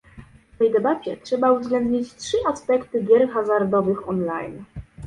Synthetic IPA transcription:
ft̪ɛjd̪ɛbat͡ɕɛtʂɛbauvzɡlɛnd̪ɲit͡ɕtʂɘʔaspɛkt̪ɘɡʲjɛɾxazaɾd̪ɔvɘxɔnla̰jn

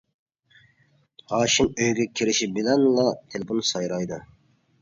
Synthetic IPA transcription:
hɑːʃinøjɡʲɛkʲʰiɾɪʃibɪlɛnlˠɑt̪ʰelɪpʰonsɑjɾɑjd̪ɨ

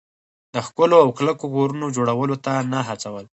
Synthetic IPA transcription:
d̪əxkʊloawklakokoɾunod͡ʒoɽawəlot̪anaɦat͡sawəl

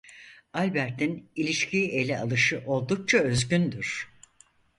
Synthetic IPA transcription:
alʲbæɾt̪ʰinilʲiʃcʰiʔe̞lʲɛalˠɯʃɯʔo̞lˠd̪uk̚t͡ʃʰaø̞zɟʲynd̪yɾ̝̥

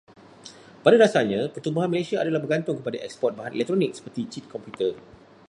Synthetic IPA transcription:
padadasaɲãpərt̪umbuɦanməlasiaadalahbərɡant̪ʊŋkəpadaʔɛ̰kspɔt̪̚baɦanʔḛlɛk̚t̪ɾonɪk̚sə̥pərt̪it͡ʃit̪̚kʰɔmpjut̪ə

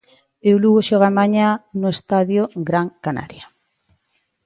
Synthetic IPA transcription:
ewluɣoʃɔɣamaɲanʊest̪aðjoɡɾaŋkana̰ɾja

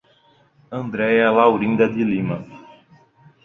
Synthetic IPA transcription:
ɐ̃nd̪ɾɛjɐlawɾĩnd̪ɐd̪ilĩmɐ

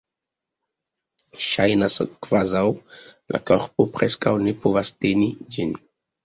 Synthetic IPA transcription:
ʃajnasəkvazawlʔa̰kɔʁpupχɛskawnepovast̪enid͡ʒini

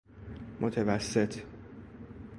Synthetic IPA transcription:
mʔot̪ʰevæsːe̞t̪ʰ

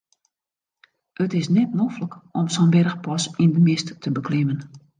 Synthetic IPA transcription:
ətɪsnɛt̚nofləkɔmsɔnbɛrəxpɔsindəmɪsttʰəbəkʰlɪmən

